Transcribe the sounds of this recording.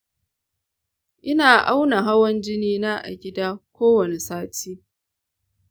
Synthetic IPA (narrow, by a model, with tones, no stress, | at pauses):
ʔɪ˦naː˨ʔa˦wna˨ɦa˦wɔ˦nd͡ʒɪ˦niː˦na˦ʔa̰˨ɡʲɪ˦daː˦kʷoː˦wɐ˨ne˨saː˦tʰiː˦